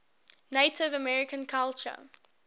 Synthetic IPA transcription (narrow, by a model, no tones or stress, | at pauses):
neɪtɪvəmɛɹɪkə̃nkʰalt͡ʃə̰